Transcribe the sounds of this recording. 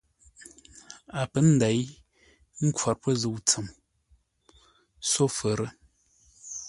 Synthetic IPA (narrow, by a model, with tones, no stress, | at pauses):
a˨pə˨˦n̩˦da˨˦j | ŋ̩˦kwa˨ɾpə˦zə˨wt͡sə˨m | so˦fə˨ɾə˦